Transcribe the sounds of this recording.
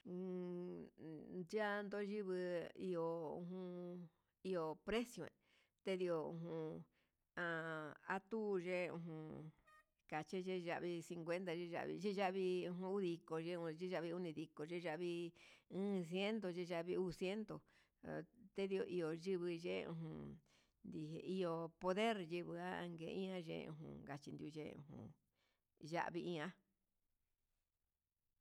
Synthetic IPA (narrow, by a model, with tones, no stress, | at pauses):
d͡ʒa˦nd̪o˦ʒi˦βɨ˧ḭ˧o˨ṵ̃˧ũ˧ | i˧o˨pɾe˦sjo˨ḛ˨ | t̪e˦ði˧o˧ṵ̃˧ɦũ˧ | ã˧a˦t̪u˦˧ʒe˦ṵ̃˧ɦũ˧ | ka˨t͡ʃi˦ʒe˦˧ʒa̰˧ʔβi˧si˧ŋkʷe˦nt̪a˧ʒe˦ʒa̰˧ʔβḭ˧ʒe˦ʒa˦ʔβi˧ũ˧ɦũ˧u˦ði˧ko˧ʒe˦ũ˧ʒi˦ʒa˧βi˧u˦nĩ˧ði˧ko˨ʒe˦ʒa˧ʔβi˧ɨ̃ː˦s̬je˦nt̪o˨˧ʒe˦ʒa˧βi˧u˦˧sje˦nt̪o˨ | t̪e˦ði˧o˧ʔi˧o˨ʒɨ˦βɨ˧ʒḛ˦˧ṵ̃˧ɦũ˧ | nd̪i˧ɦe˧i˧o˧po˧ðe˦ɾjɨ˧βɨ˧a˦a˧ŋɡḛ˧ĩ˦ã˦ʒḛ̃˧ṵ̃˧˨ɦṵ̃˧˨ɡa˧t͡ʃi˧nd̪ju˧ʒḛ˧ṵ̃˧ɦṵ̃˧˨ | ʒa̰˦ʔβi˧ĩ˦˧ã˦